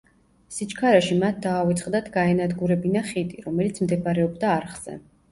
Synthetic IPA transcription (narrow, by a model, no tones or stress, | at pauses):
sit͡ʃʰkʰaɾaʃimat̪̚ʰd̪aːvit̪sʼχqʼd̪at̪ʰɡaɛnad̪ɡuɾɛbinaχit̪ʼiɾɔmɛlit̪sʰmd̪ɛbaɾɛɔbd̪aːɾχz̥ɛ̰